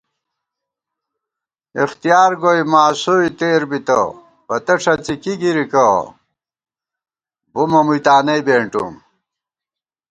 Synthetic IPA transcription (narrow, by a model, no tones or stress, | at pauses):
ixt̪ijaːɾɡojmaːsoit̪eːɾbit̪ɐ̰ | pɐt̪ɐʈ͡ʂʰɐt͡sikiɡiɾikɐ | bumɐmujt̪aːnɐjbeːɳʈṵm